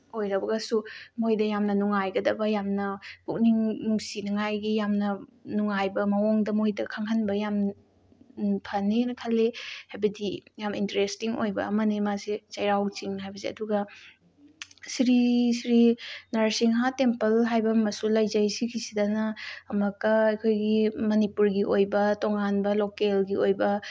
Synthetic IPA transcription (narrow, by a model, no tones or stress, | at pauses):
ojɾɐbɐɡɐsumojdɐjamnɐnuŋajɡɐdɐbɐjamnɐkuk̚niŋnuŋsinɐŋajɡijamnɐnuŋajbɐmɐwoŋdɐmojdɐkʰaŋɦɐnbɐjam | pʰɐninɐkʰalːehajbɐdijamintɐɾestiŋo̰jbɐ̰ɐmɐnimasit͡ʃɐjɾawt͡ʃiŋɦajbɐseɐ̰duɡɐ | siɾisiɾinɐɾsiŋɦatempɐlɦajbɐmɐsulɐjzɐjsikʰisidɐnɐɐmɐkɐɐjkʰojɡimɐnipuɾɡiʔojbɐtoŋanbɐlokelɡiojbɐ